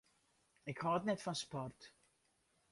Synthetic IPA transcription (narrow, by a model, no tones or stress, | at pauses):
ɪkhɑːtnɛtfɔnspɔrt